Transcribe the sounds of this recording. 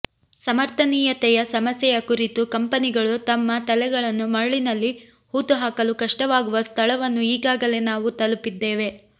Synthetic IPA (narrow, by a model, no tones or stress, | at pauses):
sɐmɐɾt̪ʰɐniːjɐt̪ɛjɐsɐmɐsjɛjɐkuɾit̪ukɐmpɐniɡɐɭut̪ɐmːɐt̪ɐlɛɡɐɭɐnːumɐɭɭinɐlːi | huːt̪uɦaːkɐlukɐʂʈɐʋaːɡuʋɐst̪ʰɐɭɐʋɐnːuiːɡaːɡɐle̞naːʋut̪ɐlupid̪ːeːʋe̞